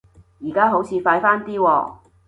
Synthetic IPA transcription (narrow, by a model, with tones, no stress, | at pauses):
jiː˨˩kaː˥ɦo˨˥wt͡sʰiː˨˧faː˧jfaː˥nt̪iː˥wɔː˧